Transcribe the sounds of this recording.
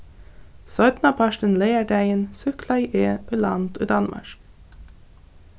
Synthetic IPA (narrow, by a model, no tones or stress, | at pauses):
sœt̪nɑpʰɑʃʈənleɪæɖæɪənsʉkʰlɑiʔeːʔʉlɑ̰nt̪ṵːd̪ɑnmʔɑ̰ʃk